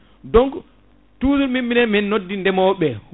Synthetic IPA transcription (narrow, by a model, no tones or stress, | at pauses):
dɔŋɡ | tuːzuɾmimːinɛmɛnːodːindɛmɔɓɛ